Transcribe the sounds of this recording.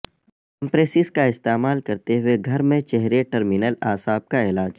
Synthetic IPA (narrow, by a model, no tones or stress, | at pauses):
ɐ̃mpɾeːsɪskaɪst̪eːmaːlkɐɾt̪eɦʊeɡʱɐɾmẽt͡ʃɛɦɾeʈɐɾmɪnəlaːsaːb̚kaɪlaːd͡ʒ